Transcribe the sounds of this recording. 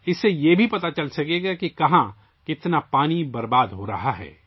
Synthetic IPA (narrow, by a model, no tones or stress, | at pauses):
ɪsːejebʱipɐt̪at͡ʃɐlsɐɡeɡakikɐɦã | kɪt̪napaːnibɐɾbaːd̪ɦoɾɐɦaɦɛ̰ː